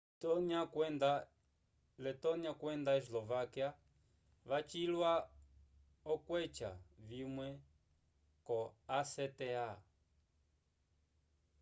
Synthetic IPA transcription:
tɔnakɛnda | lɛtɔniakwɛnd̪aɛs̬lɔvakia | βat͡ʃilwa | ɔkwɛt͡ʃa̰vimwɛ | kɔasɛtɛa

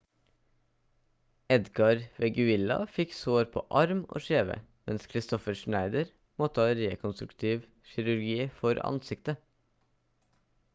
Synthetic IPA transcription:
ɛd̪ɡɑɾʋɛɡʉɪlɑ̰fɪksoːɾpʰo̰ːʔɑɾmo̰ːʃeːʋə̰mɛnskʰɾɪst̪ɔfəʃnæɪd̪əɾ | moːt̪ʰɑːɾeːkʰɔnst̪ɾʉkt̪ʰɪʋ | ʃɪɾʉɾɡiːfɔɾɑ̰nsɪkt̪ə

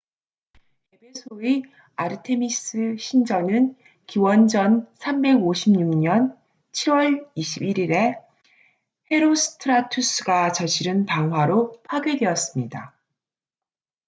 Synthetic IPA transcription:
e̞pʰe̞sʰoi | aɾɯtʰe̞mis͈ɯɕʰind͡ʑʌnɯn | kiwʌnd͡ʑʌnsʰambe̞ɡoɕʰimɲuŋɲʌn | t͡ɕʰiɾwʌɭiɕʰibiɾiɾe̞ | ɸʰe̞ɾosʰɯ̥tʰɯɾatʰus͈ʰɯɡat͡ɕʌɕʰiɾɯnpaŋɦwaɾopʰaɡjedwe̞ʌs͈ɯmɲida

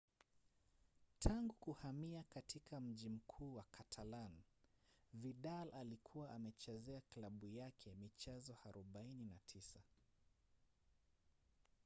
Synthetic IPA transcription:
tʰaŋɡukuhamiakatʰikʰam̩ʄim̩kʰuːwakʰatʰalan | viɗalalikʰuwaʔamɛt͡ʃɛzɛaklaɓujakʰɛmit͡ʃɛzɔhaɾʔuɓaininatʰisa

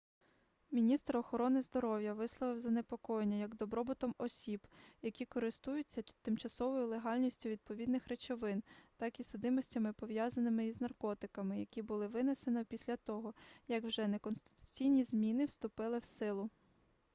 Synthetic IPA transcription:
mʲinʲist̪ɾɔxɔɾɔnɪzd̪ɔɾɔwjɐʋɪslˠɔʋɪwzɐnepɔkɔjenʲːɐjɐɡd̪ɔbɾɔbʊt̪ɔmɔsʲibjɐkʲikɔɾɪst̪ujʊt͡sʲːɐt̪ɪmt͡ʃɐsɔʋɔjʊlˠeɦɑlʲnʲisʲtʲʊʋʲid̪̚pɔʋʲid̪nɪxɾet͡ʃɔʋɪnt̪ɑkisʊd̪ɪmɔsʲtʲɐmɪpɔʋjɑzɐnɪmɪiznɐrkɔt̪ɪkɐmɪjɐkʲibʊlˠɪʋɪnese̞nɔpʲisʲlʲɐt̪ɔɦɔjɐɡwʒɛnekɔnst̪ɪ̥t̪ʊ̥t͡sʲijnʲizmʲinɪwst̪ʊpɪlˠɪwsɪlˠʊ

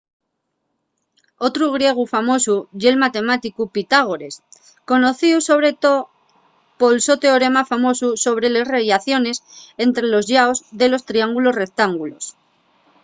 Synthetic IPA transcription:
o̞t̪ɾuɣ̞ɾje̞ɣ̞ufamo̞suʝelmat̪e̞mat̪ikupit̪aɣ̞oɾe̞s | ko̞no̞θiuso̞β̞ɾe̞t̪o | po̞lso̞t̪e̞oɾe̞mafamo̞suso̞β̞ɾe̞le̞sreβjaθjo̞ne̞se̞nt̪ɾe̞lo̞zʝaozðe̞lo̞st̪ɾiaŋɡulo̞sre̞k̚t̪aŋɡulo̞̰s

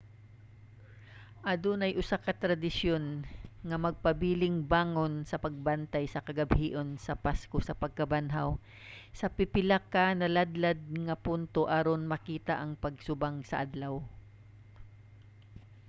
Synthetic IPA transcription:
ʔad̪onɐjʔʊsakɐt̪ɾɐd̪ɪsjonŋɐmɐɡ̚pɐbiːlɪŋbaːŋonsɐpɐɡ̚bant̪ajsɐkɐɡɐbhiːʔo̞nsɐpaskosɐpɐɡ̚kɐbanɦaw | sɐpɪpɪlakanɐlad̪lad̪̚ŋɐpunt̪oʔaɾonmɐkiːt̪aʔɐŋpɐɡsʊbaŋsɐʔad̪law

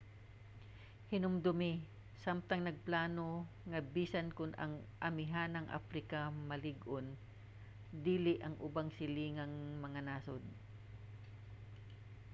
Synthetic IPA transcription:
hɪnʊmd̪ʊmɪ | samt̪ɐŋnɐɡ̚plaːno | ŋɐbiːsɐnkʊnʔɐ̰ŋʔɐmɪɦanɐŋʔa̰fɾɪkɐmɐlɪɡʔon | d̪iːlɪʔɐŋʔʊbaŋsɪliːŋɐŋmɐŋanaːsod̪

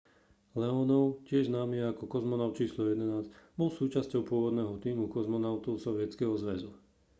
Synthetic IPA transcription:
lɛɔnɔʊcɪɛʒznaːmiakɔkɔzmɔnaʊt̪̚t͡ʃiːslɔjɛd̪ɛnaːzɟbɔlsuːt͡ʃascɔʊpʊɔʋɔd̪nɛːɦɔt̪iːmukɔzmɔnaʊt̪ɔʊsɔʋɪɛt͡skɛɦɔzʋɛzu

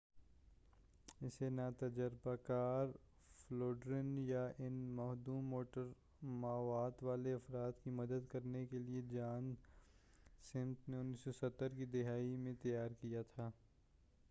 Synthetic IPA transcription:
ɪsenaːt̪ɐd͡ʒəɾbakaːɾ | floːɖɾɪnjaʔɪnmɐɦd̪uːmoːʈəɾ | maːʋaːd̪ʋaːleɐfɾaːt̪kimɐd̪əd̪kɐɾnekelied͡ʒaːn | sɪ̃nt̪neʊnːiːsosɐt̪ːəɾkid̪ɪɦaːimẽt̪ɐjaːɾkijat̪ʰaː

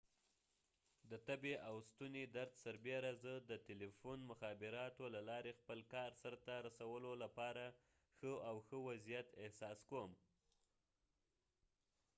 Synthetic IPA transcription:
d̪ət̪abeʔawst̪uned̪aɾd̪saɾbeɾazəd̪ət̪elefonmʊxɑbɪɾɑt̪olalɑɾexpəlkɑɾsəɾt̪aɾasawəlolapɑɾa | xəawxəwazijat̪ɪhsɑskom

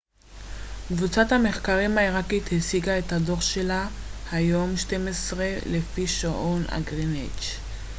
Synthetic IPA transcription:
kvut͡sathameχkaʁimaiʁakit̪hesiɡaethado̞ʁʃe̞lahajo̞mʃtemesʁelefiʃoʔona̰ɡʁinet͡ʃ

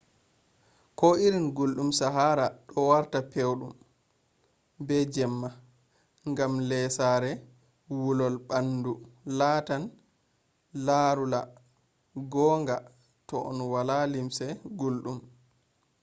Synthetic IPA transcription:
kɔiɾinɡulɗumsaɦaːɾaɗɔwaɾtapewɗum | bɛd͡ʒɛmːa | ŋɡamlɛsaɾɛ | wulɔlɓanːdulaːtan | laɾula | ɡɔːŋɡa | tɔʔɔ̰nwalalimsɛɡulɗum

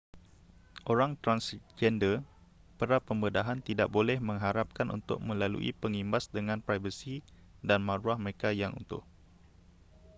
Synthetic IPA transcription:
ʔoɾaŋt̪ɾansd͡ʒɛndə | pəɾapəmbədaɦant̪idaʔ̚bolɛhmə̃ŋɦaɾap̚kanʔṵnt̪ʊ̰k̚mə̃lalṵʔḭpəŋimbasdəŋãnpɾajvəsi | danmãɾuahməɾekajaŋṵnt̪ʊ̰h

